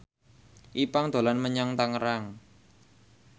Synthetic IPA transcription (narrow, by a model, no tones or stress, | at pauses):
ʔipaŋd̪̥o̤lanməɲɔŋt̪aŋəɾaŋ